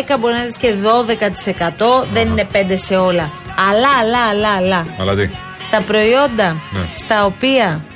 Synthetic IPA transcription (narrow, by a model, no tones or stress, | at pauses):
ekɐbo̞ɾinɐsce̞ðo̞ðe̞kɐt̪i̥se̞kɐt̪o̞ðe̞nine̞pe̞nd̪e̞se̞o̞lɐ | ɐlɐːlɐːlɐːlɐɐ̰lɐt̪i | st̪ɐpɾo̞io̞nd̪ɐn̰st̪ɐo̞piɐ